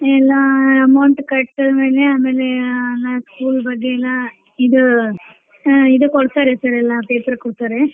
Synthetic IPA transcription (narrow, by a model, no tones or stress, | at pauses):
ɛlːãːɐmɐʊɳʈkɐʈ̪ːɐðɯmeːleɐðɐmeːleɛlːãːskuːlbɐɡːeɛlːãː | ɪðɯ | ɪðɯkɔɽɯt̪ːaːɾesaːɾɛlːãːpeːpɐɾkɔɽɯt̪ːaːɾe